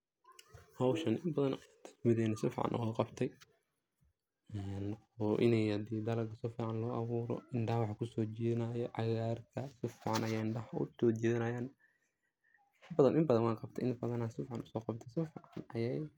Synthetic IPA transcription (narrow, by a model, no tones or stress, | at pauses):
hɔwʃɐnʔɪmbɐðɐnt̪ʰɐ̥smɪðɛːnːɐsɪfḭʕɑ̰nʔɔ̰wɔqɑbt̪ʰɛj | ɛn | ɔːʔɪ̰nɛjɐd̪iːd̪ɐlɐɡɐsɔfiːʕɑnlɔːɐβuːɾɔ̰ɪɳɖɐhɐwɑħkʰʊsɔːt͡ʃɛːðɪnɐjɔʕɑɣaːrk̪ʰɐsɪfiːʕɑnʔɐjaːɪɳɖɐɦɐʊ̰sɔːt͡ʃɛːðɪnɐjaːn | bɐðɐnʔɪmbɐðɐnwɑːqɑbt̪ʰɛʔɪnbɐðɐnaːnsɪfʕɑnʊsɔːqɑbt̪ʰɛsɪfiʕɑnɐjɛj